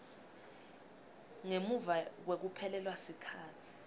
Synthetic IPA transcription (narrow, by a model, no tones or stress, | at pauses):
ŋemuvawek̬upʰɛlɛlwasikʰaːtʰi̥